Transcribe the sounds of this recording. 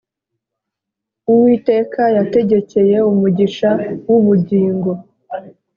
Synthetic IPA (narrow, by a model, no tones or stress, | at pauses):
uwiːte̞ːkajate̞ɟe̞ce̞je̞umuɟiʃawuβuɟiːŋɡo̞